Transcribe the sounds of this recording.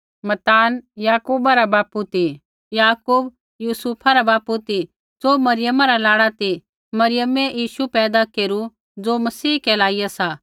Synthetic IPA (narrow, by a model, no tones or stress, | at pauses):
mɐt̪aːnjaːkuːbaɾabaːput̪i | jaːkuːb | juːsuːpʰaɾabaːput̪i | d͡zoːmɐɾɪjəmaɾalaːɽat̪i | mɐɾɪjəmɛ̃jiːʃupɛːd̪akeːɾu | d͡zoːmɐsiːkɛlaːɪjasa